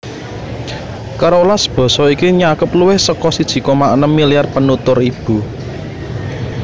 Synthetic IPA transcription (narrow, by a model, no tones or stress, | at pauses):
kaɾolasb̥ɔ̤sɔikiɲakəpluwɪhsəkɔsid̥ʒ̥i̤kɔmaʔnəmːilijarpənut̪ʊrib̥ṳ